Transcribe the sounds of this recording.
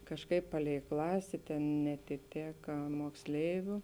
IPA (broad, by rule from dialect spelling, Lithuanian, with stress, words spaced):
kɐʃˈkɐɪp pɐˈlʲɛɪ ˈklˠɑːsʲeː tʲeːn nʲɛɐtʲɪˈtʲeːkɐ moːkˈsʲlʲɛɪʋʲʊ